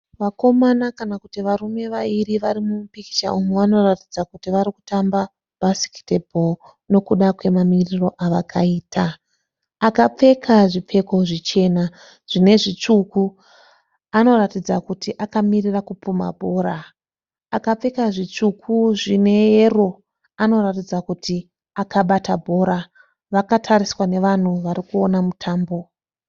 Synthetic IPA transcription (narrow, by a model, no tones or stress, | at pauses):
ʋako̞manakanakutiʋarume̞ʋairiʋarimumupiki̥t͡ʃa̰ʔumuʋano̞ratid͡zakutiʋaɾiku̥tamba | basi̥ki̥tebʱo | no̞kuɗakwe̞mamiriro̞ʔaʋakʰaiːtʰaː | kap͡fe̞kʰaʐip͡fe̞ko̞ʐit͡ʃe̞na | ʐ̥ine̞ʐit͡ʂuku | ano̞ratid͡zakutiʔakamirirakupuma̰bʱo̞ːɾaː | kap͡fe̞kaʐit͡ʂukʰuʐine̞jero̞ | ano̞ratid͡zakutʰi | akaɓatabʱo̞ːɾa | ʋakatʰaɾiswane̞ʋan̤uʋaɾikuo̞namutʰaːmbo̞